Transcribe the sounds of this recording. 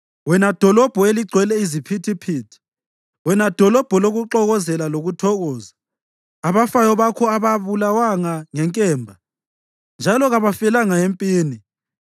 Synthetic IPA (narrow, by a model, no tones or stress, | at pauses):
wɛnad̥ʱɔlɔb̥ʱɔeliɡ͡ǀʱwɛlɛizipʰitʰipʰitʰ | wɛnad̥ʱɔlɔb̥ʱɔloɣuǃɔɣɔzɛlaloɣutʰɔɣɔːzaː | βafajɔβakʰɔaβaβulawaŋaŋɛŋkʼɛːmbʱa | nd͡ʒʱalɔɣaβafɛlaŋaempʼiːni